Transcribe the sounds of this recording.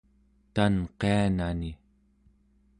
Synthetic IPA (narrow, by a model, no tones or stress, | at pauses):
t̪anqeanani